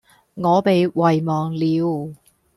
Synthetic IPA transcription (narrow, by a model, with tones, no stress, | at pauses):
ŋɔː˨˧pe˨jwɐ˨jmɔː˨ŋliː˨˧w